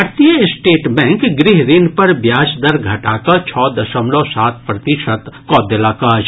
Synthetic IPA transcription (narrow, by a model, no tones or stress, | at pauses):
əɾt̪ijəɪsʈeːʈbɛ̃ːŋkɡɾɪɦɾɪnpɐɾbjaːd͡ʒd̪ɐɾɡʱɐʈaːkɐt͡ʃʰɔːd̪ɐʃəmloːsaːt̪̚ʰpɾɐt̪ɪʃət̪kɔːd̪elaːkaːd͡ʒ